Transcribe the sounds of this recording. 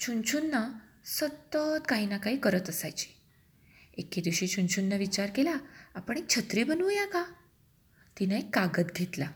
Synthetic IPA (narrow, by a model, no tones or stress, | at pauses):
t͡ɕʰunt͡ɕʰunːa | sət̪ːət̪kaɦinakaɦiːkəɾət̪əsajt͡ɕi̥ | eked̪iʋɕit͡ɕʰunt͡ɕʰunːaʋit͡ɕaɾkelaapəɳek̚t͡ɕʰət̪ɾiːbənujaka | t̪inaekːaɡət̪ɡʱet̪la